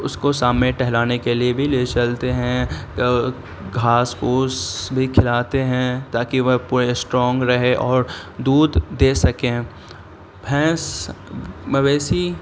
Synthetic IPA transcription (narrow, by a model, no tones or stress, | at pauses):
ʊskosaːmnẽʈɛɦlaːnekeliebʱileːt͡ʃɐlt̪eɦɛ̃k | ɡʱaːsoːsbʱikʰɪlaːt̪eɦɛ̃t̪aːkiʋɐɦpuːɾesʈɾɔ̃ːŋɡɾɐɦeʔɔːɾd̪uːd̪d̪eːsɐkẽː | pʰɛ̃ːs | mʋɛːsi